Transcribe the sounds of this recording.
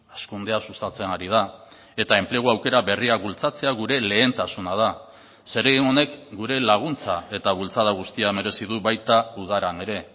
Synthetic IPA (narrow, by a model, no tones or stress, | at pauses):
askund̪e̞asust̪at͡se̞naɾið̞a | e̞t̪ae̞mple̞ɣ̞uawke̞ɾaβe̞riakbult͡sat͡se̞aɣuɾe̞le̞ːnt̪asunað̞a | se̞ɾeɣiŋo̞ne̞kɡuɾe̞laɣ̞unt͡sae̞t̪aβult͡saðaɣ̞ust̪iame̞ɾe̞siðuβajt̪auð̞aɾane̞ɾe̞